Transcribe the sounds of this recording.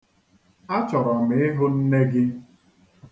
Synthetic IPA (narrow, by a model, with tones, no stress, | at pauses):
a˦t͡ʃɔ˨ɾɔ˨mɪ˨˦ɪ˦ɦʊ˦n̩˦ne˦ɡɪ˦